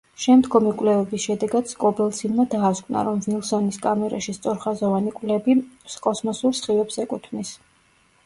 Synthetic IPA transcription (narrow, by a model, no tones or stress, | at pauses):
ʃɛmd̪ɡɔmikʼwlɛvɛbisʃɛd̪ɛɡad̪skʼɔbɛlˠsʰinmad̪aːskʰʼvna̰ɾɔmnilˠsɔniskʼamɛɾa̰ʃist̪sʼɔɾχazɔvanikʼvlɛbiskʼɔsmɔsuɾsχivɛbsɛkʼut̪ʰmnis